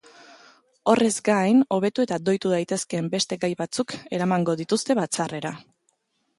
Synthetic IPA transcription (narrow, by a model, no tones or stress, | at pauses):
o̞re̞zɡajno̞β̞e̞t̪ue̞t̪ad̪o̞jt̪uðajt̪e̞ske̞ːmbe̞st̪e̞ɡajβat͡suke̞ɾamaŋɡo̞ðit̪ust̪e̞βat͡sare̞ɾa